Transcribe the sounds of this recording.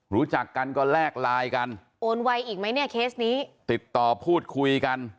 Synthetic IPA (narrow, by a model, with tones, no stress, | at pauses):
ɾuː˦˥t͡ɕa˨˩kːa˧nkɔː˥˩lɛː˥˩k̚laː˧jka˧n | ʔoː˧nwa˧jʔiː˨˩k̚ma˦˥jni˥˩ɐkʰeː˦˥sniː˦˥t̪i˨˩t̪ːɔː˨˩pʰuː˥˩t̪̚kʰu˧jka˧n